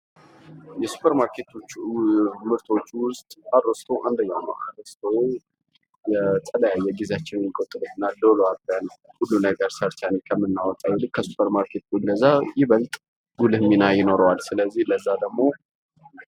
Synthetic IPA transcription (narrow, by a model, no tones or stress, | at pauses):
jɛsu̥pʰəɾmaɾkʰe̞t̪ʰo̞t͡ʃːmɨɾt̪ʰo̞t͡ʃːwʊst̪ʼadɾəst̪ʰəwʔand̪əɲːawnə̰wʔa̰dəst̪ʰəw | jɛt̪ʰʼələjajːɛɡizat͡ʃːɪnmikʼot̪ʼɨlut̪ɨnːad̪oloabjanəwhulːunəɡəɾsəɾt̪ʰanekʰəmːɨnːawɔt̪ʼːawulɨkʰːəsu̥pʰəɾmaɾkʰe̞t̪ɡuləzːajɪβəlt̪ʼ | ɡulɨhminajɪno̞ɾəwalsɨləzːihləzːad̪əɡmo̞